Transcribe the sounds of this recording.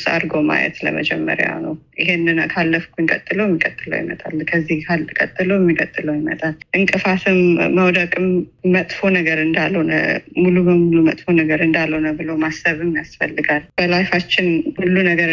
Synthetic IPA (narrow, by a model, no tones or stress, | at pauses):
sa̰ɾɡoma̰jɛ̰t̪lə̰mə̰d͡ʒɛmːə̰ɾja̰wnə̰wʔɪɦenːɨnakʰalːəfkʰʷunkʼət̪ʼːɨləwjɛmːikʼət̪ʼːɨlə̰wjḭmə̰t̪ʼa̰lkʰəzːihkʰalkʼət̪ʼːɨləwɛmːikʼət̪ʼːɨləwjɪmət̪ʼalʔɨŋkʼɨfat̪ʰɨmːəwd̪əkʼɨmːət̪ʼfonəɡəɾɨnd̪alːəwnə̰mulubəmulumət̪ʼfonəɡəɾɨnd̪alːəwnəbɨlomasəβɨmːijasfəlːɨɡalb̥əlajfat͡ʃːɪnhulːunəɡəɾ